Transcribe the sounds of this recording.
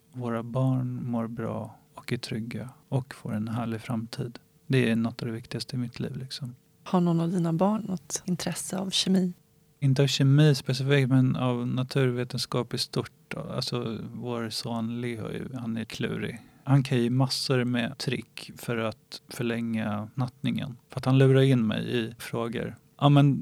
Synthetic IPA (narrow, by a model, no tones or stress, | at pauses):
voːɾabɑːɳmoːɾbɾɑ̰ː | ɔkæt̪ʰɾʏɡːaɔkfoːɾɛnɦæːɭɪfɾamt̪ʰiːd̪ | d̪ɛænɔt̪ːavd̪ɛvɪkt̪ɪɡast̪əɪmɪt̪ʰlḭːvlɪksɔm | haɳɔnavd̪iːnabɑːɳːɔt̪ɪnt̪ʰɾɛsːəa̰vɕɛmiː | ɪnt̪əavɕɛmiːspɛsɪfiːk̚t̪mɛnavnat̪ʰʉ̟ːɾveːt̪ənskɑːpɪst̪ʊʈːa̰lsɔvoːɾsoːnlɪhɔ̰j̰hanæɾkʰlʉ̟̰ːɾɪ̰hankʰanjɪmasːəɾmɛt̪ʰɾɪ̰kːfœɾat̪fœɭɛŋːanat̪nɪŋə̰nfœɾat̪hanlʉ̟ːɾaɾɪnːmɛ̰jɪfɾoːɡə̰ɾ | ʔɑːmɛn